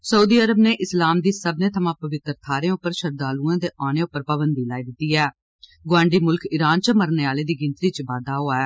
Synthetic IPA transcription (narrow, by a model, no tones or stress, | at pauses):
səuːd̪iːəɾəbneːʔɪslaːmd̪iːsəbneːt̪ʰəmãːpəʋɪt̪ɾt̪ʰaːɾẽːʊpːəɾʃəɾd̪aːluːãːd̪eːʔaːñeːʊpːəɾpaːbənd̪iːlaːiːd̪ɪt̪ːiːɛː | ɡʋãːɳɖiːmʊlkʰɪɾaːnt͡ʃəməɾneːaːleːd̪iːɡɪnt̪ɾiːt͡ʃbaːd̪aːɦoːaːɛː